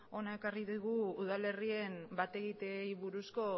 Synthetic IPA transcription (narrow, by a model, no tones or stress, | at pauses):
o̞nae̞kariðuɣuuð̞ale̞rie̞mbat̪e̞ɣit̪ejβuɾusko̞